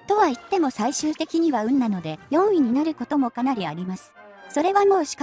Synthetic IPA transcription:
t̪o̞βait̪ːe̞mo̞saiɕɨːt̪e̞kʲiɲ̟iβaɯ̟̃nːano̞d̪e̞jõ̞ɰ̃iɲ̟inaɾɯ̟ko̞t̪omo̞kanaɾʲiaɾʲimasɨ̥ | so̞ɾe̞βamo̞ːɕi̥k

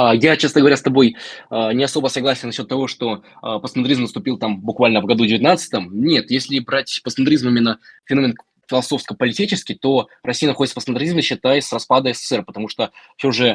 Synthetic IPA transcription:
ajat͡ɕasəɡəvɐɾʲast̪ɐbo̞jənʲɪɐso̞bəsɐɡlˠasʲɪjənɐɕːo̞t̪ːɐvo̞ʂt̪o̞əpəsənd̪ɾʲizmnəst̪ʊpʲilˠt̪ambʊkvalʲnəvɡɐd̪udʲɪvʲɪt̪nat̪sɨ̥t̪əmnʲe̞t̪jesʲlʲɪbɾatʲpəsənt̪ɾʲizmimʲɪnːəfʲɪno̞mʲɪn | fʲɪlˠɐso̞fskəpəlʲɪtʲit͡ɕɪskʲɪjt̪o̞rɐsʲijənɐxodʲt̪səpəsnt̪ɾʲizmʲɪɕːɪt̪ajɪsrɐspad̪əɛsə̥sɛrpə̥t̪ɐmuʂt̪ofsʲoʐɛ

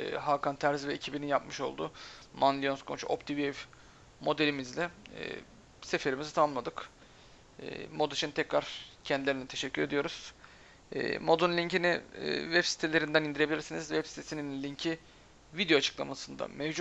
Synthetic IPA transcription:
ɦaːkant̪ʰæɾzvɛecʰibininjapmɯʃo̞̰lˠd̪ʊ̰mand̪ionskʰont͡ʃʰo̰pt̪ʰiviɛv | mo̞d̪elʲimizlʲɛ̰ | sefe̞ɾimizit̪ʰamamlˠad̪ɯk | mo̞d̪at͡ʃʰint̪ʰɛcɾaɾ̥cʰɛnd̪ilʲeɾinʲɛt̪ʰeʃɛcʰːyɾe̞d̪ijo̞ɾuz̥ | ɛ̰ːmo̞d̪unlʲiɲciniɪ̰ːvɛpsi̥t̪ʰelʲe̞ɾind̪ænind̪iɾeilʲiɾsinizvɛpsi̥t̪ʰesininlʲiɲcʰi | vid̪ejo̞at͡ʃʰɯ̥klˠa̰masɯnd̪a̰mɛvd͡ʒ

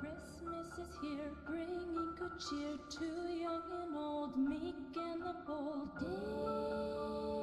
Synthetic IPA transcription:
kʰɹ̥ɪsməsɨz̥hiɹɡɹɪ̃ŋɪ̃ŋkʰɨd̚t͡ʃʰɪɹtʰʉjʌ̃ŋɨ̃noʊlˠd̚mikɪ̃nðəboʊlˠdo

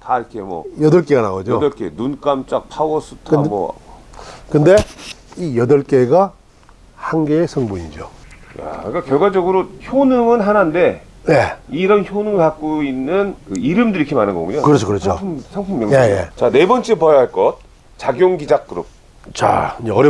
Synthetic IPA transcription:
taiɾʌkʰemwʌ̰jʌdʌɭk͈eɡana̰ɡʌd͡ʑodʌɭk͈enunk͈amt͡ɕ͈ak̚pʰawʌsʰutʰkɯmwʌ̰ | kɯnde̞ijʌdʌɭk͈e̞ɡa | haŋɡeesʰʌŋbuɲid͡ʑo̰ja̰kakjʌɭɡwad͡ʑʌɡɯɾoçonɯmɯnɦanande̞ | jeiɾʌnçonɯŋɯɭkak̚k͈oinːɯnkɯiɾɯmdɯɾiikʰemanɯnɡʌ̰ɡuɲokɯɾʌt͡ɕʰokɯɾʌt͡ɕʰosʰaŋpʰumjʌjejḛt͡ɕane̞bʌnt͡ɕ͈epʌjʌɦaɭk͈ʌt̚ | t͡ɕaɡjoŋɡid͡ʑak͈ɯɾṵp̚ | t͡ɕa̰id͡ʑeʌɾj

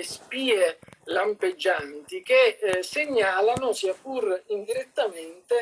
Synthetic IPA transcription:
spiːelamped͡ʒːant̪ikeseɲːaːlanʊsiapurind̪iɾet̪ːament̪e

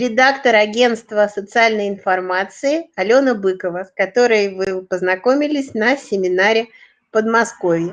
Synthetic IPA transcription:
ɾʲɪd̪akt̪əɾɐɡʲe̞nst̪vəsət̪sɨalʲnəjɪnfɐrmat̪sɨɪɐlʲo̞nəbɨkəvəskɐt̪o̞ɾəjvɨpəznɐko̞mʲɪlʲɪsʲnɐsʲɪmʲɪnaɾʲɪ | pəd̪mɐsko̞vʲjɪ

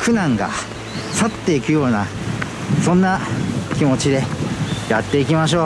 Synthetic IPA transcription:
kɯ̟nãŋɡa̰ | sat̪ːe̞ikɯ̟jo̞ːna | sõ̞nːakʲimo̞t͡ɕid̪e̞jat̪ːe̞ikʲimaɕ̬o̞ː

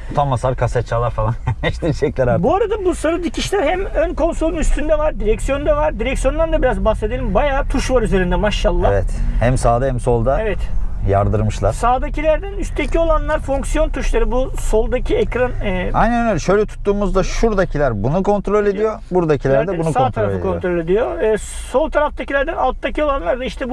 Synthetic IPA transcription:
t̪ʰamːasˠaɾkʰasat͡ʃʰːaːlˠaɾfalˠanɛʃd̪iɾʃɛclʲɛɾabuaɾad̪abusaɾɯd̪icʰiʃlʲæɾhæmønko̞nsolˠunyst̪ʰynd̪ɛvaɾd̪iɾɛcsijo̞nd̪ɛvaɾd̪iɾɛksijo̞nd̪and̪abiɾazbaxse̞d̪elʲimbajaːt̪ʰuʃvaɾyze̞ɾind̪ɛmaʃːalˠːavɛt̪hɛmsaːd̪ahɛmso̞lˠd̪aevɛt̪ja̰ɾd̪ɯɾmɯʃlˠaɾsaːd̪acilʲæɾd̪ænyst̪ecʰio̞lˠanlˠaɾfoŋksjo̞nt̪ʰuʃlˠaɾɯbuso̞lˠd̪acʰiɛcɾanɛajnɛnnølʲɛʃø̞jlʲɛt̪ʰu̥t̪ːuːmuzd̪aʃuɾd̪acʰilʲæɾbunukʰo̞nt̪ɾo̞lʲe̞d̪ijo̞buɾd̪acʰilʲæɾd̪ɛbunuksaot̪ʰaɾalfeɯ̰kʰo̞nɾo̞lʲe̞d̪ijo̞ː | so̞lˠt̪ʰaɾaft̪acilʲæɾd̪ɛnalˠt̪ːacʰio̞lˠanlˠaɾd̪aiʃt̪ʰɛb

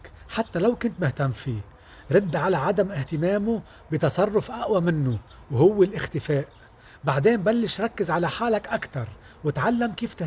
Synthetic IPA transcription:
ħat̪ːalawkʊnt̪mɪht̪amːfiː | ɾˤɪd̪ːʕalaʕad̪amʔɪht̪ɪmeːmu | bit̪ɑsˤɑrˤːʊfʔaʔwamɪnːʊ | whʊwːɪlʔɪxt̪ɪfeːʔ | baʕd̪eːmbalːɪʃɾˤɑkːɪzʕalaħaːlakʔakt̪ɑɾˤ | wɪt̪ʕalːamkiːft̪ɪh

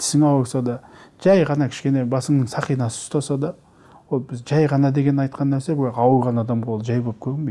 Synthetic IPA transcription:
t̪ʰɪ̥sɪŋɑwɾsɑd̪ɑʒæjʁɑnɑkʲʰɪ̥ʃkʲe̞ne̞bɑsəɴnəɴsɑqijnɑsə̥ʊst̪ɑsɑd̪ɑ | wo̞lˠbɪzʒɑjʁɑnɑd̪e̞ɡʲe̞nɑjt̪̚qʰɑnːnæɾsebɑwəɾʁɑnɑd̪ɑmqʰolˠʒɑjbolˠpkʲʰɵɡɪŋbej̪

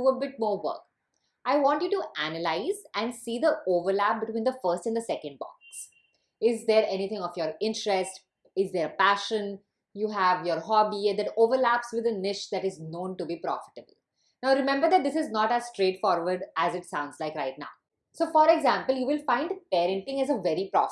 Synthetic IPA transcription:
uəbɪʈ̚mɔːɾʋə̰ːk̚ | ʔaɪʋɔ̃ːɳʈjuːʈuʔænəlaɪzæ̃ɳɖsiːd̪əoːʋəɾlæp̚bɪʈwĩːnd̪əfəɾsʈɛ̃nd̪əsɛkə̃ɳɖ̚bɔ̰̃ks | ɪzd̪eɾɛnit̪ʰɪ̃ŋɔʋjɔːɾɪ̃nʈɾɛsʈ | ɪzd̪eɾpæʃə̃n | juːɦæʋjɔːɾɦɔbid̪æʈoːʋəɾlæpsʋɪd̪ənɪʃd̪æʈɪznõːnʈubipɾɔ̰fɪ̥ʈəbəl | naʊɾɪmɛ̃mbəɾd̪æʈ̚d̪ɪsɪznɔʈæzsʈɾeːʈfɔːɾʋəɾɖæzɪʈsãʊ̃nɖzlaɪkɾaɪʈ̚na̰ʊ | soːfɔɾɛɡzæ̃ːmpəljuːʋɪlfãɪ̃ɳɖpɛːɾə̃ɳʈɪ̃ŋæzəʋɛɾipɾɔ̰f

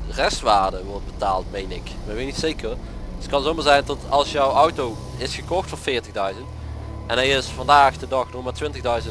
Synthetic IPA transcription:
rɛstʋaːɹdəʋɔɹd̚bəta̰ːlˠtmejnɪkmɛʋenitsejkərətkɑnzowmaːɹzɛjntɔtɑlˠsjəwɔwtow | ɪsxəkɔxtfɔɹfɪːɹtəɣdœɥzənt | ʔɛnɦɛjɪsfɑndaːxdədɑxnɔxmaːɹtʋɪntəɣdœɥzən

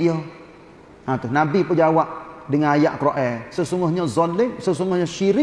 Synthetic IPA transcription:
io | ãt̪ʊnabipəd͡ʒawaʔdəŋanajaʔkɾoʔɛsəsuŋʊhɲazɔlɪŋsəs̬uŋʊhɲaʃiɾɪ

